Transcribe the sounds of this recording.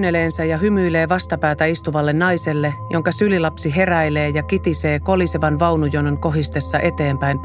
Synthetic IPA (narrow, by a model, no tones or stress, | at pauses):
nːeleːnsæjɑɦymyːle̞ːʋɑst̪ɑpæːt̪æist̪uʋɑlːenːɑjselːe̞jʔo̞ŋkɑsylilɑpsiɦe̞ræjle̞ːjɑkit̪ise̞ːko̞liseʋɑnʋɑwnujoneŋko̞ɦist̪e̞sːɑʔe̞t̪e̞ːmpæin